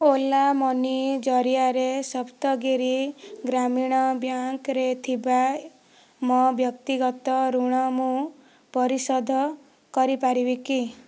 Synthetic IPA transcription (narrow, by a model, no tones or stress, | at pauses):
olamɔnid͡ʒɔɾijaɾesɔpt̪ɔɡiɾiɡɾamiɽ̃ɔbjaŋkɾet̪ʰiba | mɔbjɔkt̪iɡɔt̪ɔɾuɽ̃ɔmũ | pɔɾisɔd̪ʱɔ | kɔɾipaɾibiki